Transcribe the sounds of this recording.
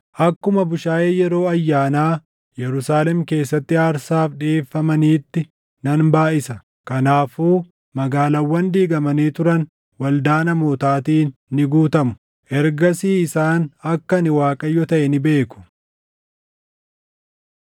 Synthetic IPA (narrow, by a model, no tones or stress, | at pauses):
ʔɐkːʊmɐbʊʃaːjeːjɛɾo̞ːɐjːaːnaː | jɛɾʊsaːlɛmke̞ːsːɐt̪ːɪaːɾsaːfᶑeːfːɐmɐniːt̪ːɪ | nɐnbaːʔɪsɐ | kɐnaːfuː | mɐɡaːlɐwːɐnd̪iːɡɐmɐniːt̪ʊɾɐn | wɐld̪aːnɐmoːt̪aːt̪iːnːɪɡuːt̪ɐmʊ̥ | ʔɛɾɡɐsiːɪsaːnɐkːɐnɪwaːkʼɐjːɔt̪ɐʔɛnɪbe̞ːkʊ̥